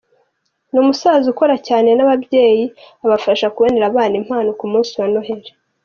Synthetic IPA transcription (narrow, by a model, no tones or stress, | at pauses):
numusaːzuko̞ɾacaːne̞naβabje̞ːji | aβafaʃakuβoneɾaβaːnim̥haːnokumuːnsiwano̞ɦe̞ɾe